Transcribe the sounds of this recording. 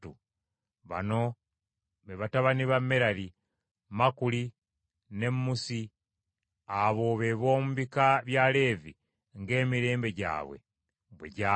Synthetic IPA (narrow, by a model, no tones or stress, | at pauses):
u | βa̰no̞ | βeβataβaniβamːeɾali | makuli | ne̞mːusi | aβo̞βe̞βo̞ːmuβikaβjaːle̞ːvi | ŋɡe̞ːmiɾe̞ːmbe̞ɟa̰ːβwe̞̰ | βwḛɟa